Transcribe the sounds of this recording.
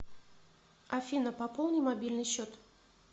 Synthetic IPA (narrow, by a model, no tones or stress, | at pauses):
ɐfʲinəpɐpolˠnɨjmɐbʲilʲnɨjɕːot̪